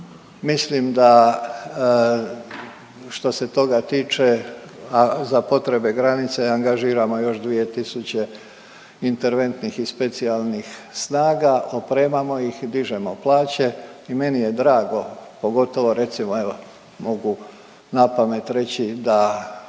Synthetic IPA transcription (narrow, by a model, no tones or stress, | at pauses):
mislimd̪a | ʃt̪o̞se̞t̪o̞ɡat̪iːt͡ʃeazapo̞t̪ɾe̞be̞ɡɾanit̪seaŋɡaʒiːɾamo̞jo̞ʃd̪ʋije̞t̪isut͡ɕe̞ | int̪e̞ɾʋe̞nt̪nixispe̞t̪sialˠnixsnaːɡaʔopɾeːmamo̞jixd̪iʒemo̞plˠaːt͡ɕe̞ime̞nije̞d̪ɾaːɡo̞po̞ɡo̞t̪o̞ʋo̞ɾe̞t̪simoeo | mo̞ɡu | napame̞t̪ɾe̞t͡ɕid̪a